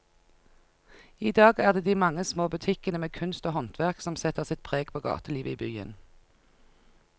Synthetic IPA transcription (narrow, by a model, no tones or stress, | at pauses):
iːd̪ɑːɡæːʁd̪eːd̪iːmɑŋəsmoːbʉt̪ʰɪkənəmeːkʰʉnst̪oːhɔnt̪ʰʋæʁksɔmsɛt̪əʁsɪt̪̚pʰʁeːɡpʰoːɡɑ̰ːt̪əliːʋəiːbyːə̰n